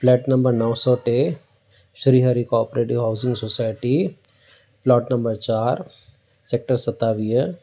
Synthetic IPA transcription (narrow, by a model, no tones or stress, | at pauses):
flɛːʈnɐ̃mbəɾnɔʋsɔːʈe | ʃɾiɦaːɾikɔːpəɾeːʈɪʋɦaʊzɪ̃ŋɡsosaːjʈi | plɔːʈnɐ̃mbəɾt͡ʃaːɾ | sek̚ʈəɾsɐt̪aːʋijə